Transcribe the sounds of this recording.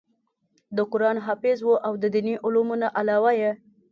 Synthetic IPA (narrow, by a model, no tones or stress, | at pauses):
d̪əkʊɾɑnɦɑfɪzwoʔawd̪əd̪iniʔʊlumunaʔalɑwaje